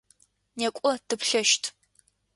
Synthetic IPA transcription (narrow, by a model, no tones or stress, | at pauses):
nekʷʼɔtɨpɬɐʃtʰ